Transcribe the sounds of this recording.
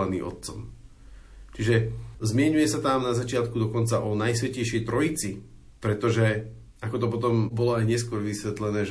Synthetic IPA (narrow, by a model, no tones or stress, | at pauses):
anḭːmʔɔ̰t̪̚t͡sɔ̰m | t͡ʃiʒɛzmɪɛɲujɛsat̪amnazat͡ʃɪat̪kud̪ɔkɔnt͡saʔɔnajsʋɛcɛjʃjɛjt̪ɾɔit͡si | pɾɛt̪ɔʒɛ | akɔt̪ɔp̬ɔt̪̬ɔmbɔlɔajɲɛskʊɔɾʋisʋɛt̪lɛnɛːʒ